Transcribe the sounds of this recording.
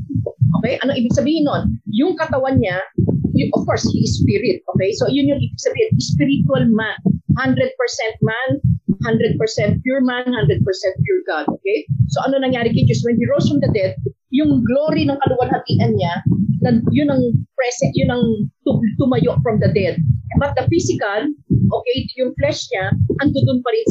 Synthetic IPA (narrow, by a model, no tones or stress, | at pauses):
ʔoːkɛjʔɐnoʔibɪɡ̥̚sɐbiːhɪnːoʔonjʊŋkɐt̪ɐwɐnɲajʊʔɔfkoɹshiʔɪspiɹɪt̪̚ʔoːkɛjsojʊnjʊŋʔibɪɡ̥̚sɐbiːhɪnʔɪspɪɾit̪wɐlmanhand̪ɾɛd̪̚pɛɹsɛ̃nt̪̚manhand̪ɾɛd̪̚pɛɹsɛ̃nt̪̚pjuɹmanhand̪ɾɛd̪̚pɛɹsɛnt̪pjuɹɡad̪ʔoːkɛjsoʔɐnonɐŋjaːɾɪkɪt͡ʃʊswɛnhiɹosfɹɐmd̪ɐd̪ɛd̪̚ | jʊŋɡloːɾinɐŋkɐlʊwɐnhɐt̪iːʔɐnɲanɐjʊnɐŋpɾɛsɛjʊnɐŋt̪ʊt̪ʊmɐjoʔ̚fɹɐmd̪ɐd̪ɛd̪̚bɐt̪̚d̪ɐfisɪkɐlʔokɛjjʊŋflɛʃɲaʔɐnd̪ʊd̪ʊnpɐɾɪn